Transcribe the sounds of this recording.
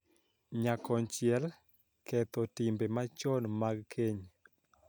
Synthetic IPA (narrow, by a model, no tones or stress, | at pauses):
ɲakɔnt͡ʃjɛl | kɛt̪ɔtimbemat͡ʃɔnmaɡkʰeɲ